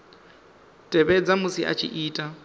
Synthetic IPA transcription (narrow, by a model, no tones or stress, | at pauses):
tʼɛbɛd͡zamʊsiʔa̰t͡ʃʰḭʔiːtʼa